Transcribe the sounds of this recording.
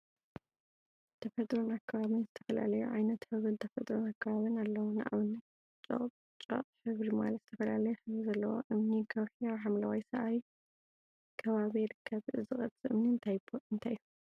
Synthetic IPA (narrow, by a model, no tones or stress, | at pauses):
t̪ʰɐfɐt̪ʼɾonakʰːɐβaβɨnzɨt̪ʰɐfɐla̰lɐjṵʕajnɐt̪hɨβɾɨnt̪ʰɐfɐt̪ʼɾonakʰːɐβaβɨnalːɐwuna̰ʔaβɨnːɨ | t͡ʃʼo̰χʼb | t͡ʃʼo̰qʼħɨβɾima̰lɐt̪z̥ɨt̪ʰɐfɐlalɐjɛħɨβɾizɐlːɐwo̰ʔɨmnikʰɐwħiaħamlawajsɐʔaj | kʰɐβaβiɾɨkʰːɐβʔɨzɨχʼɐt͡sʼɨʔɨmniɨnt̪ʰajbʰoɨnt̪ʰajːu